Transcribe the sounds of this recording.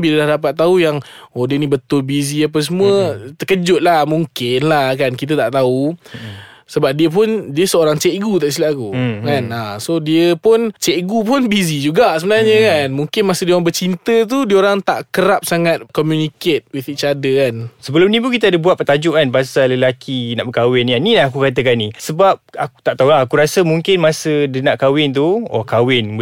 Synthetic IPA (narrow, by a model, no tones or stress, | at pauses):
biləlahdapat̪ːaujaŋodənĩbət̪ʊlbiziap̬as̬əmuət̪əkəd͡ʒʊt̪̚lahmuŋkɪnlahkankit̪̬ət̪aʔt̪au | səbap̚diəp̬ʊndiəsəoɾaŋt͡ʃɛʔɡut̪aʔsilakukanasodiəpʊnt͡ʃɛʔɡupʊnbizid͡ʒuɡaʔsəbənarɲəkanmuŋkɪnmasədioɾaŋbət͡ʃint̪ət̪̬udiəoɾaŋt̪a̰ʔkəɾap̚saŋat̪̚kɔmjuniket̪̚wiθit͡ʃadəkansəbəlʊmnĩpukit̪aadəbuat̪̚pət̪ad͡ʒʊʔkanpaasaləlakina̰ʔbəkawɪnanĩlaɦakukat̪̬əkanisəbap̚aku̥t̪aʔt̪aulaːkuɾasəmuŋkɪnmasədənaʔkawɪnt̪̬uɔ̰kawɪn